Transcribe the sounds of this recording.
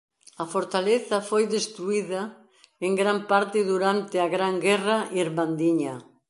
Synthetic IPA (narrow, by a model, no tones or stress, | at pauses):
ɐfoɾt̪aleθɐfojðest̪ɾuiðɐ | eŋɡɾampaɾt̪ɪðuɾant̪ɪɐɣɾaŋɡɛrɐʔiɾmand̪iɲɐ